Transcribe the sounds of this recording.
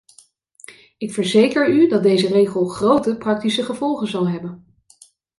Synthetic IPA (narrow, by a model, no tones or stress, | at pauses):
ɪkfəɹzejkəɹydɑd̚dejzərejχəlˠχrowtəprɑk̚tisəχəvɔlˠχənzɑlˠɦɛbən